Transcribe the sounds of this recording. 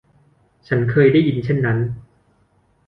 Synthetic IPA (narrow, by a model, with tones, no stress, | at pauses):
t͡ɕʰa˦˥nkʰɤː˧jda˥˩ji˧nt͡ɕʰe˥˩nːa˦˥n